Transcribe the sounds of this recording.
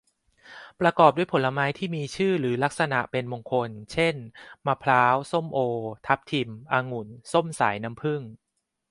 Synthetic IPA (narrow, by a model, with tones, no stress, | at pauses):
pɾa˧kɔː˨˩p̚du˥˩jpʰo˩˦la˧maː˦˥jt̪ʰiː˥˩miː˧t͡ɕʰɯː˥˩ɾɯː˩˦la˦˥k̚sa˧na˨˩ʔpe˧nmo˧ŋkʰo˧nt͡ɕʰe˥˩nmaː˧pʰlaː˦˥wso˥˩mʔoː˧t̪ʰa˦˥p̚t̪ʰi˧mʔaː˧ŋu˩˦nso˥˩msa̰ː˩˦jna˦˥mpʰɯ˥˩ŋ